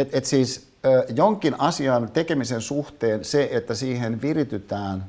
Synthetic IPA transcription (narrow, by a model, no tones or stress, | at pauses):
et̪et̪siːs | øjoŋkinɑsiɑnt̪ekemisensuht̪eːnseet̪ːæsiːhenʋirit̪yt̪æːn